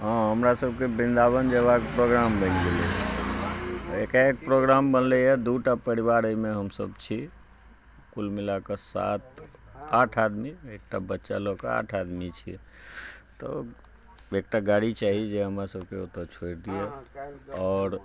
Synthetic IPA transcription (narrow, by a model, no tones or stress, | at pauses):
ɦɔ̃ɦəmɾasəb̚kebind̪aβənd͡ʒeβakpɾoɡɾambə̃nɡeli | ekaek̚pɾoɡɾambənlɛjɛd̪uʈapəɾiβaɾəjmeɦəmsə̰bt͡ʃʰi | kulmilakesa̰t̪ʰaʈʰad̪miek̚ʈabətːʃa̰lokḛa̰ʈʰad̪mit͡ʃʰḭ | t̪ɔ̰ | ek̚ʈaɡaɽit͡ʃaɦid͡ʒeɦəmɾasəb̚keot̪ət͡ʃʰoɾd̪ije | ɔːɾ